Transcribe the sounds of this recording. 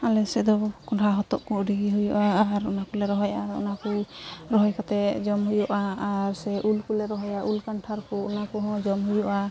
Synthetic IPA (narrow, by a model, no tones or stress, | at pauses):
alɛsɛd̪ɔkɔʈʰaɦɔt̪ɔ̰ʔkɔːɖiɡiɦujɔʔaːɾunakɔlɛɾɔɦɔjʔaṵnakɔɾɔɦɔjkat̪ɛd͡ʒɔmɦujɔʔaːɾsɛʔulkulɛɾɔɦɔjaʔulkaɳʈʰaɾkɔunakɔɦɔ̃d͡ʒɔmɦujɔʔa